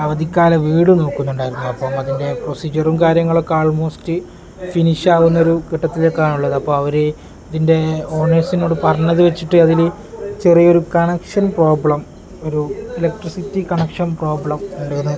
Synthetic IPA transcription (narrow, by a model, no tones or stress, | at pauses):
ɐʋɐd̪ikʲːaːlɐʋiːɽɨno̞ːkːunːuɳɖaːjiɾunːuɐpːoːmɐðinde̞pro̞siːd͡ʑɐrumkaːɾjɐŋːɐɭo̞kːeaːɭmo̞ːstɨ | finiʂaːʋunːɐo̞ɾukiʈːɐt̪ːilekːaːɳuɭːɐðɐpːoːmɐʋɐɾe | ɐðinde̞o̞ːɳːeːsino̞ːɽɨpɐrɐɲːɐðɨʋe̞t͡ɕːiʈːɨɐðil | t͡ɕerijo̞ɾukɐɳɐkʂɐnpro̞ːbɭɐm | o̞ɾuilɐk̚ʈrisitːikɐɳɐkʂɐnpro̞ːbɭɐmuɳɖaunːɐ